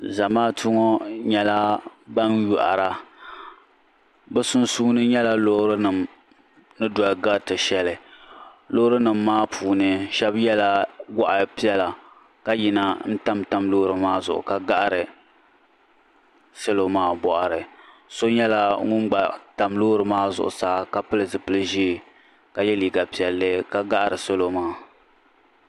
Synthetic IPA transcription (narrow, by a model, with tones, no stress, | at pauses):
za˨maː˦tʰʊ˦ŋɔ˦ɲɛ˦la˦ba˦nju˨ʔa̰˨ɾa˨ | bɛ˦sʊ˦nsuː˦nɨ˦ɲɛ˦la˦lo˦hɾɨ˦nɨ˨m | nɨ˦dɔ˨ɡa˦tɨ˨ʃɛ˦lɨ˨ | lo˦ɾɨ˦nɨ˨mːaː˦pʰuː˨nɨ˨ʃɛ˦bjɛ˦la˦ɡa˦ʔa˨pi˦ɛ˦la˨ | ka˦ji˨na˨n̩˦ta˦mta˦mloː˦ɾɨ˨maː˦zʊ̰˨ʔʊ̰˨ka˦ɡa˦ʔa˦ɾɨ˨ | so˦lo˨maː˦bɔ˨ʔa˨ɾɨ˨ | so˦ɲɛ˦la˦ŋʊ˦nɡ͡ba˨ta˨mloː˦ɾɨ˨maː˦zʊ̰˨ʔʊ̰˨saː˨˦˨ka˦pɨ˦lɨ˨zɨ˨pɨ˦lɨ˦ʒi˦˨ | ka˨jɛ˦liː˨ɡa˨pi˨ɛ˨lːɨ˦ka˦ɡa˦ʔa˦ɾɨ˨so˦lo˦maː˦